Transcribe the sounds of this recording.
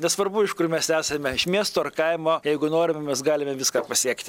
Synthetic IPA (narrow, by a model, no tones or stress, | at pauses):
nʲɛsʋɐrbʊɪʃkʊrmʲɛsʲæːsɐmʲɛɪʃmʲiɛst̪ʊːɐrkɐɪmoːjɛɪɡʊnoːɾʲɪmʲɛmʲɛsɡɑːlʲɪmʲɛʋʲɪskɑːpɐsʲiɛkt̪ʲɪ